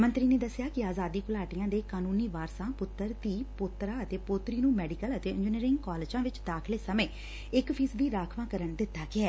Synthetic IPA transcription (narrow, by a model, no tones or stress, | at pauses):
mə̃nt̪ɾiːneːd̪əsːjaːkɪaːzaːd̪iːkʊlaːʈijãːd̪eːkaːnuːniːʋaːɾsãːpʊt̪ːəɾt̪iːpʊt̪ɾaːət̪eːpoːt̪ɾiːnũːmɛːɖiːkələt̪eːɪ̃nd͡ʒɪniːɾɪ̃ŋɡkɔːlɪːd͡ʒãːʋɪt͡ʃd̪aːkʰleːsəmẽː | ɪkpʰiːsʋiːɾaːkʰʋãːkəɾəɳd̪ɪt̪ːaːɡɪɛː